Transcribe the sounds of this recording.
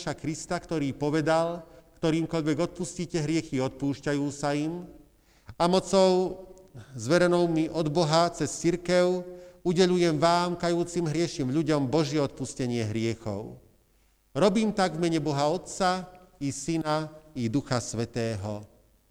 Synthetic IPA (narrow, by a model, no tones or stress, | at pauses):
ʃakɾist̪akt̪ɔɾiːpɔʋɛd̪alkt̪ɔɾiːmkɔʎʋɛɡɔt̪̚pusciːcɛɦɾɪɛxiɔt̪̚puːʃcajuːsaim | amɔt͡sɔʊ | zʋɛɾɛnɔʊmiʔɔd̪bɔɦat͡sɛst͡siɾkɛʊuɟɛʎujɛmʋaːmkajuːt͡simɦɾɪɛʃimʎuɟɔmbɔʒɪjɛɔt̪̚puscɛɲɪɛɦɾɪɛxɔ̰ʊ | ɾɔbiːmt̪aɡvmɛɲɛbɔɦaɔt̪t͡saisinaid̪uxasʋɛt̪ɛːɦɔ